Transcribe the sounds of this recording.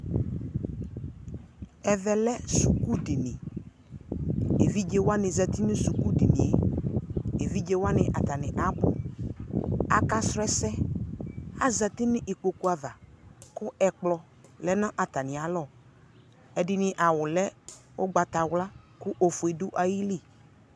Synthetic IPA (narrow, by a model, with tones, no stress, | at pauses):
ɛ˨vɛ˨lɛ˦su˨ku˦dɪ˨nɪ̃˨ | e˨vi˦d͡ʒe˦wa˦nɪ̃˨zɛ˨t̪i˦nɪ̃˦su˨ku˦dɪ˨nḭ̃˨ḛ˨ | e˨vi˦d͡ʒe˦wa˦nɪ̃˨ʔa˨t̪a˨nɪ̃˨ʔa˨bʊ̰˦ | a̰˨ka˦sɾɛ˦sɛ˦ | a̰˦za˨t̪ɪ˦nɪ̃˦ʔe˨k͡po˨ku˦a˨va˨kʊ˦ɛ˨k͡plɔ˨ | lɛ˦nã˦ʔa˨t̪a˨nɪ̃˨a˨lɔ˦˨ | ɛ˨dɪ˨nɪ̃˦ʔa˨wʊ˨lɛ˦wo˦ɡ͡ba˨t̪a˨wla˦ | kʊ˦ʔo˨fu˨e˨dʊ˦ʔa˨ji˦li˦˨